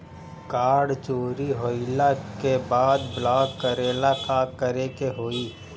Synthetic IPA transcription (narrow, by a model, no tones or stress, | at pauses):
kaːɖt͡ʃoːɾiɦoɪlakebaːd̪blaːɡkəɾeːlakakəɾekeɦoːiː